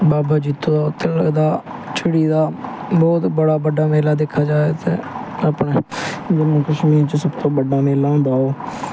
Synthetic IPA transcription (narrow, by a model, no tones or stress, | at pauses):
baːbaːd͡ʒiːt̪ːoːt̪ʰeld̪aːt͡ʃʰəɽiːd̪aːbɔːt̪bəɽaːbəɖaːmeːlaːd̪eːkʰːaːd͡ʒaːeːt̪ḛːaːpɳeːd͡ʒɪmõːkəʃmiːɾt͡ʃsəbt̪õːbəɖaːmeːlːõːnd̪aːoː